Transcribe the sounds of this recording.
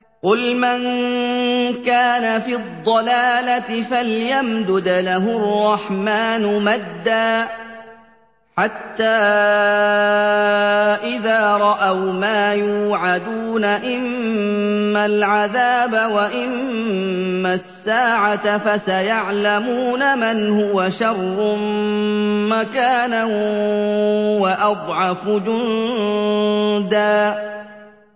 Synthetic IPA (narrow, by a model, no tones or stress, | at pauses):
qʊlman | kaːnafiːd̪ˤːɑlaːlat̪ɪfaljamd̪ʊd̪laɦʊrˤːɑħmaːnʊmad̪ːaː | ħat̪ːaː | ʔɪðaːɾˤɑʔawmaːjuːʕad̪uːnaʔɪmmː | alʕaðaːbawaʔɪmː | asːaːʕat̪afasajaʕlamuːnamanhʊwaʃɑrˤː | makaːnan | waʔɑd̪ˤʕɑfd͡ʒʊn | d̪aː